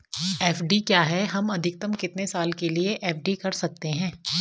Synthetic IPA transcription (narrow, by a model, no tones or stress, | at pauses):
ɛːfɖikjaːɦɛɦɐmɐd̪ʱɪk̚t̪əmkɪt̪nesaːlkelieʔɛːfɖikɐɾsɐk̚t̪eɦɛ̃ː